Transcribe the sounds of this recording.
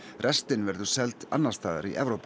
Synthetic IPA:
rʔɛst̪ɪnvɛɾðʏ̥sɛlt̪a̰nːaɾ̥st̪aːða̰ɾḭʔɛvɾowp

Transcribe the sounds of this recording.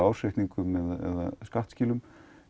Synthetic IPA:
awseht̪niŋkʏmɛðɛ̰ða̰skaht̪sciːlʏm

